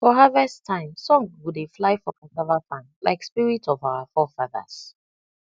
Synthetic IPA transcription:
fɔɦavɛstʰãɪ̃msɔ̃ŋwudeflaɪfɔkʰatavafãnla̰ɪkspiɹitʰɔvaʊəfɔfaðə̰s

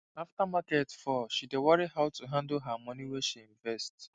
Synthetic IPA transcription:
aftamaketfɔʃidewɔɹiɦaʊtuɦãndoɦamɔ̃niwɛʃiĩɱvɛst

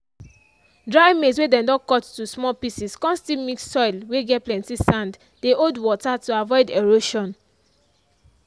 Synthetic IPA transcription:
dɹaɪmeswedɛ̃dɔ̃kɔttusmɔlpisiskɔ̃nstimikssɔɪlweɡɛt̚plɛ̃ntisãnd | deʔodwɔtatuavɔɪdeɹoʃɔ̃n

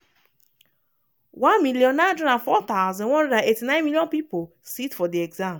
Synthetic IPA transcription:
wãnmiljɔ̃nnadɔɾãfɔt̪aʊzɔ̃nwɔ̃ndɔdãetinãɪ̃nmilijɔ̃pipo | sitfɔdiɛɡzãm

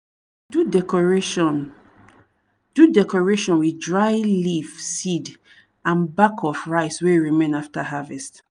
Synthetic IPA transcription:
u | d̥udɛkɔɹeʃɔ̃nwidɹaɪlifsid | ãnbakʰɔfɹaɪsweɹimẽnaftaɦavɛst

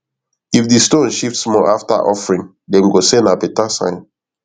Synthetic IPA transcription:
ifdistõnʃiftsmɔafta̰ʔɔfɹĩŋ | dɛ̃mɡosenapɛtasã̰ɪ̃n

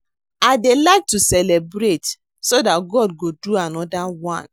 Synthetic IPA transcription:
aɪdelaɪk̚tusɛlɛbɹet | sodatɡɔd̚ɡoduanɔdawãn

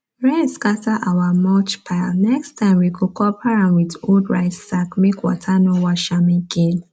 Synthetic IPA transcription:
ɹɛ̃nskataʔawamɔt͡ʃpʰaɪlnɛkstʰãɪ̃mwiɡokʰɔpʰaɹãnwidoldɹaɪsakmekwɔ̰tʰanɔwaʃamĩɡen

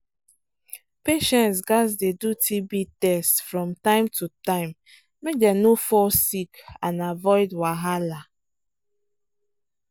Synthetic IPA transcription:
peʃɛ̃ntsɡasdedutʰibitɛstfɹɔ̃mtãɪmtutãɪ̃m | mek̚dɛnofɔsikãnavɔɪdwaɦala

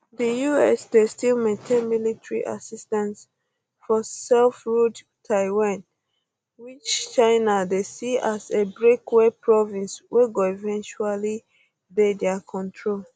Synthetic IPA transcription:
dəjuɛsdestilmẽtʰẽnmilitɹiʔa̰sistãns | fɔsɛlfɹud | tʰaɪwãn | wit͡ʃt͡ʃãɪnadesiasebɹekwepʰɹɔvĩnsweɡoivɛ̃nt͡ʃuali | dedɛakʰɔ̃ntʰɹol

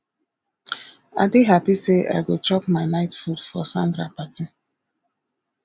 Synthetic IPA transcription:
a̰diɦapisea̰ɪɡot͡ʃɔkmaɪnaɪtfudfɔsãndɾapati

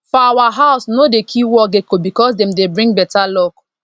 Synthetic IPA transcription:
fɔawaɦaʊsnodekʰiwɔɡekobikɔsdɛ̃mdebɹĩŋɡ̚bɛtalɔk

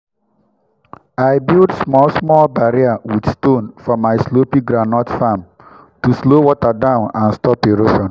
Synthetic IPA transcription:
aɪbildsmɔlsmɔlbaɾiawidstõnfɔmaɪslopĩɡɾanɔtfam | tuslowɔtadãʊ̃nãnstɔpeɹoʃɔ̃n

